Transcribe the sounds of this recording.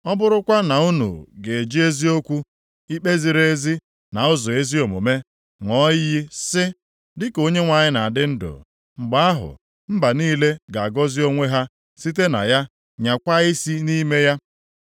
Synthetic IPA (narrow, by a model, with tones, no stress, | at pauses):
ɔ˦bʊ˦ɾʊ˦kʷa˦na˨u˦nṵ˨ɡe˨d͡ʒi˦e˦zi˦o˦kʷu˦ | i˦k͡pe˦zi˨ɾe˦zi˦ | na˨ʊ˦zɔ˨e˦zi˦o˨mo̰˨me˦ | ŋɔ˦ji˦sɪ˦ | dɪ˦ko˦ɲe˦ŋʷa˨ɲɪ˦na˨dɪ˦n̩˦dʊ̰˨ | ŋ͡m̩˨ɡ͡ba˦a˦ɦʊ̰˨ | m̩˦ba˨niː˦le˦ɡa˨a˨ɡɔ˦zi˦o˦ŋʷe˦ɦa˦ | si˦t̬e˦na̰˨ja˦ | ɲa˨kʷa˦i˦si˦niː˦me˦ja˦